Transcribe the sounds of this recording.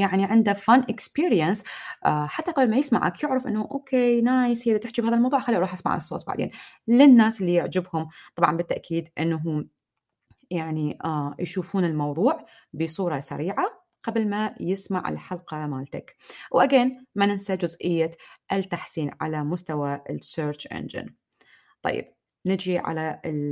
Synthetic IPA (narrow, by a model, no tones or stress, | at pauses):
jaʕniʕɪnd̪afanʔɪkspiːɾjansʔħat̪ːaqɑblmajɪsma̰ʕa̰kjɪʕɾɪfʔɪnːaʔoːkʰeːnaːjsiːdt̪ɪħt͡ʃibhaːðalmɑwðˤuːʕxalːiːʔɾˤɑːħʔasma̰ʕa̰sːˤo̰ːt̪̚ba̰ʕd̪ḛːnlɪnːaːsɪlːijɪʕd͡ʒɪbhʊmt̪ˤɑbʕɑ̰nbɪt̪ːaʔkʰiːd̪ʔɪnːaɦʊm | jaʕnijʃuːfuːnɪlmɑwðˤuːʕ | bɪsˤuːɾˤɑsa̰ɾiːʕa | qablmajɪsma̰ʕɪ̰lħalqɑmaːlt̪akwʔaɡeːnmanɪnsad͡ʒʊzʔɪjːaʔɪt̪ːaħsiːnʕa̰lamʊst̪awaɪseːɾt͡ʃʔɛ̰nd͡ʒɪ̰n | t̪ˤɑ̰jːɪ̰b̥̚ | nɪd͡ʒiʕa̰la